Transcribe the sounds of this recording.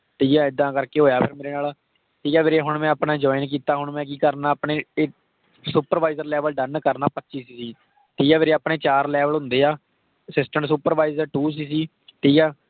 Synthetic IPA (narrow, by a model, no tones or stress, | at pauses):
t̪eːjãːɪd̪ːãːkəɾkeːɦoːjaːpʰɪɾmeːɾeːnaːl | t̪eːjaːʋeːɾeːɦʊɽmɛ̃ːaːpnaːd͡ʒɔːɪnk̬iːt̪aːɦʊɳmɛ̃ːk̬iːkəɾnaːpɳeː | suːpəɾʋaːɪzəɾlɛːʋəlɖənkəɾnaːpətːʃiːsiːsiː | t̪eːjãːʋeːɾeːaːpɳeːt͡ʃaːɾlɛːʋəlɦʊ̃nd̪eːaː | sɪsʈəɳs̬uːpəɾʋaːizəɾʈuːs̬iːs̬iː | t̪eːjaː